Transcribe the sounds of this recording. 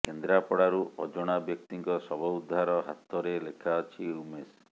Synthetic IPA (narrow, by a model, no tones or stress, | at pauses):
kend̪ɾapɔɽaɾuʔɔd͡ʒɔɽ̃abjɔk̚t̪iŋkɔsɔbɔud̪ʱːaɾɔɦa̰t̪ɔɾelekʰaɔt͡ʃʰiɾumes